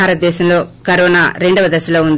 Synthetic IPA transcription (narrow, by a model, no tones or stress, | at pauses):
aːɾɐt̪̚d̪ɛːʃɐmlo̞ːkɐɾoːnaːɾe̞ɳɖɐʋɐd̪ɐsɐloːund̪